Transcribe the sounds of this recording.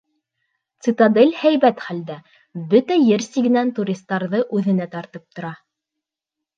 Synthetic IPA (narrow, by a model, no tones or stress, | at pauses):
t̪sit̪ad̪elʲhæjβæt̪χæld̪æ | bɵt̪æjɘɾsiɡɘ̆nænt̪uɾʲist̪ːɑɾðɤʔʉðɘ̆næt̪ɑɾt̪ɤp̚t̪ŏɾɑ